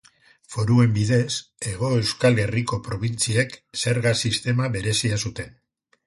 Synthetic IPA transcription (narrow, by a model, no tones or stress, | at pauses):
fo̞ɾue̞mbiðe̞se̞ɣ̞o̞e̞wskale̞riko̞pɾo̞β̞int͡siekse̞ɾɣasist̪e̞maβe̞ɾe̞siasut̪e̞n